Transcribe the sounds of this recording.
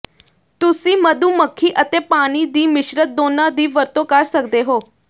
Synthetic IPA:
t̪ʊsĩːməd̪uːməkʰːiːʔət̪eːpaːɽ̃iːd̪iːmɪʃɾət̪̚d̪oːnãːd̪iːʋəɾt̪õːkəɾsəkd̪eːɦoː

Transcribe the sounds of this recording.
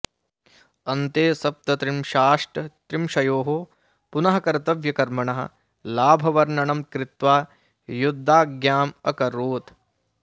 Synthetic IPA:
ɐnt̪eːsɐp̚t̪ɐt̪ɾimʃaːʂʈɐt̪ɾimʃɐjoːɦo | punɐɦɐkɐɾt̪ɐʋjɐkɐɾmɐɳɐɦɐ̰̆ | laːbʱɐʋɐɾnɐɳɐmkɾɪt̪ʋaː | jud̪ʱːaːɡjaːmɐkɐɾoːt̪

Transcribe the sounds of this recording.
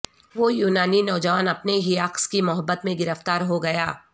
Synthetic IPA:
ʋojuːnaːninɔːd͡ʒɐʋaːnɐpneɦiaːkskimʊɦəbːət̪mẽɡɪɾəft̪aːɾɦoɡɐjaː

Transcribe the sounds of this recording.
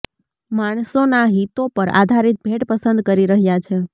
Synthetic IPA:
maɳ̃sonaɦit̪opəɾa̰d̪ʱaɾit̪̚bʱeʈpəsənd̪̚kəɾiɾəɦjat͡ʃʰe

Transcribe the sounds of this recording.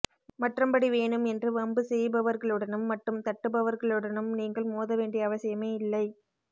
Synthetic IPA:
mɐʈrɐmbɐɽiʋeːɳɯmɛndrɯʋɐmbɯsɛjbɐʋɐɾɣɐɭɯɽɐnɯmːɐʈːɯmt̪ɐʈːɯbɐʋɐɾɣɐɭɯɽɐnɯmniːŋɡɐɭmoːðɐʋeːɳɖɪjɐːʋɐsɪjɐmeːɪlːɐɪ

